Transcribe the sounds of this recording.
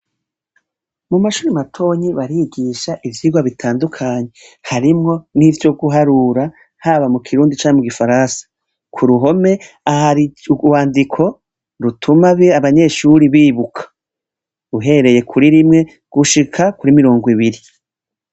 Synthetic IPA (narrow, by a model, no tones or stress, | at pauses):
mumaʃuːɾimatʰo̞ːɲiβaɾiɡiʃaʔivjiːɡwaβitʰaːndukʰaːɲe̞ | haɾimŋo̞nivjo̞ɡuɦaɾuɾa | haβamukʰiɾuːndit͡ʃaːɲemuɡifaɾaːnsḁ | kʰuɾuɦo̞me̞ | aiwaːndikʰo̞ | ɾutʰumaβeaβaɲe̞ʃuɾiβiːβukʰḁ | uɦe̞ɾe̞je̞kʰuɾiɾimŋe̞ | ɡ̥uʃikʰakuɾimiɾo̞ːŋɡwiβiɾi